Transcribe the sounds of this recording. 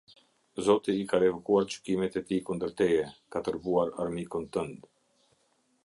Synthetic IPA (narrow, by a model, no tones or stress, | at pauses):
zɔt̪iːkaɾɛvukuaɾt͡ʃə̥kimɛt̪ɛt̪ikund̪əɾt̪ɛɛkat̪əɾɡuaɾa̰ɾmikunt̪ənd̪